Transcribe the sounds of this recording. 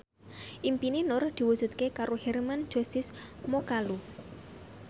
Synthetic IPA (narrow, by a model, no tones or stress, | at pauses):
ʔimpininʊrd̪̥i̤wudʒ̥ṳt̪̚kekaɾohɛrmand̥d͡ʒ̥o̤st̪ɪsmokalu